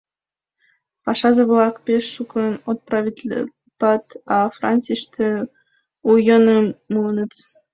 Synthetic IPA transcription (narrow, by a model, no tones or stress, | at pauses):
pɑʃɑzɤβlɑkpeʃːukənot̪̚prɑvʲit̪ʲl̰ʲ | t̪ɑt̪ɑfrɑnʲt͡sijʃt̪ʰe | ujonəmːunə̆t͡s